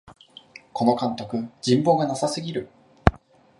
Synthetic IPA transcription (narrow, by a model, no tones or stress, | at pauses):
ko̞no̞kãnt̪o̞kɯ̟d͡ʑĩmbo̞ːɡanasasɨɡʲiɾɯ̟